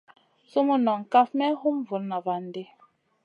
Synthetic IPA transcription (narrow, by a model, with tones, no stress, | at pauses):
su˦mu˦nɔ˨ŋ̩˨ka˦fmɛ˦hu˦m˦vu˨˦lna˨va˨n˦de˦